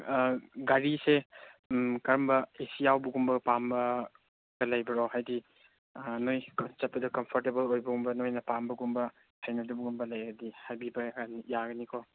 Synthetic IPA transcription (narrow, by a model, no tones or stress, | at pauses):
ɡaɾise | kɐɾɐmbɐesijawbɐɡumbɐpambɐ | ɡɐlɐjbɐɾɔɦajdi | nojt͡ʃɐt̚pɐdɐkɐmpʰɔɾtebɐlojbɐɡumbɐnojnɐpambɐɡumbɐ | hʰajnɐdubuɡumbɐlɐjɡɐdihajbibɐnijaɡɐnikʰɔ